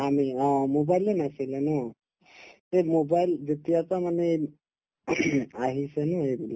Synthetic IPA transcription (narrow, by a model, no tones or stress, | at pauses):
amiɔ̃mobajlenasilenɔ | t̪emobajlzet̪ijatamane | aɦisenuebila